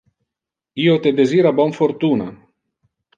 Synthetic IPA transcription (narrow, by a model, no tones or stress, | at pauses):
iot̪ed̪eziːɾabɔnfoɾt̪uːna̰